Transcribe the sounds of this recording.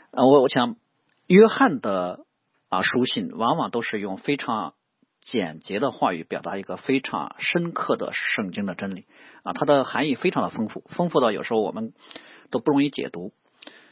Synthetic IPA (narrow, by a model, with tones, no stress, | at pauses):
ə˧wɔ˧˥ɔ˧˥˩ɕjɑ˧˩˦ŋ | jɥɛ˥xa˥˩nd̪ə˩ | ə̰˧˩ʂu˥ɕi˥˩nwɑ˧˥ŋwɑ˨˩ŋt̪o˥ʊʂɻ̩˥˧jʊ˥˩ŋfe˥ɪʈ͡ʂʰɑ˧˥ŋ | t͡ɕjɛ˨˩nt͡ɕjɛ˧˥d̪ə˧xwa˥˩y̰˧˥˩pjɑ˨˩ʊt̪a˧˥i˧˥ɡə˧fe˥ɪʈ͡ʂʰɑ̰˧˥ŋʂə˥nkʰɤ˥˩d̪ə̰˩ʂɤ˥˩ŋt͡ɕi˥ŋd̪ə˨ʈ͡ʂə˥nli˨˩˦ə˧˩t̪ʰa˥d̪ə˨xa˧˥ni˥˩fe˥ɪʈ͡ʂʰɑ˧˥ŋd̪ə˧fɤ˥ŋfu˥˩fɤ˥ŋfu˥˧ɑ˥˩jo˨˩ʊʂɻ̩˧˥xwɔ̰˨˩mə˦nt̪o˥ʊpu˥˩ɻʊ˧˥ŋi˥˧t͡ɕjɛ̰˨˩t̪u˧˥